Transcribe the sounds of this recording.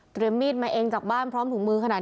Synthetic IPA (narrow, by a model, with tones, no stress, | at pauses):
t̪ɾi˧əmːiː˥˩t̪̚maː˧ʔeː˧ŋt͡ɕaː˨˩k̚baː˥˩npʰɾɔː˦˥mt̪ʰu˩˦ŋmɯː˧kʰa˧naː˨˩